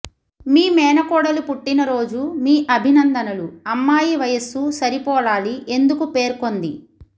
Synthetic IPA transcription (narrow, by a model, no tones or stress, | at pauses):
miːmɛːnɐkɔːɽɐlupuʈːinɐɾo̞ːd͡ʒumiːʔɐbʱinɐnd̪ɐnɐluɐmːaːjiʋɐjɐsusɐɾipɔːɭaːliʔe̞nd̪ukupe̞ːɾko̞nd̪i